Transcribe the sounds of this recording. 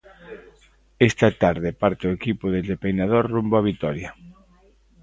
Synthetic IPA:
est̪ɐt̪aɾðepaɾt̪eoekipʊðezðepejnað̞oɾrumboaβ̞it̪ɔɾja

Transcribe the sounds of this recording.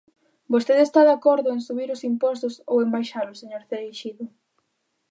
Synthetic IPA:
bost̪eðest̪aðakoɾðʊensuβiɾʊsimpɔst̪ʊso̰wembajʃalʊseɲoɾθeɾeʃiðʊ

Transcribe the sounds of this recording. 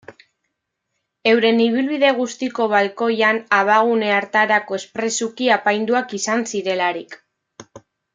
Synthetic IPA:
e̞wɾe̞niβ̞ilβiðe̞ɣ̞ust̪iko̞β̞alko̞janaβaɣ̞une̞aɾt̪aɾako̞e̞spɾe̞sukiapajnd̪uakisansiɾe̞laɾik

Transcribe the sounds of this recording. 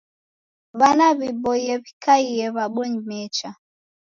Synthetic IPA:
βanaβibɔiɛβikaiɛβaɓɔɲimɛt͡ʃa

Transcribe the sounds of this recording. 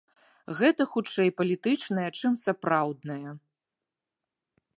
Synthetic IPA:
ɣɛt̪ɐxut͡ʂɛjpɐlʲit̪ɨt͡ʂnɐjɐt͡ʂɨmsapɾawd̪̚nɐjɐ

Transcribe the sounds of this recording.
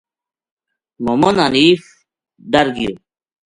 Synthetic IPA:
momonanif | d̪ɐɾɡijo

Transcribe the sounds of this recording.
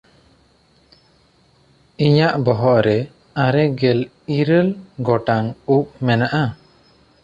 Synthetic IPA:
iɲaʔbɔɦɔʔɾɛ | aɾɛɡɛl | iɾəlɡɔʈaŋup̚mɛnaʔa

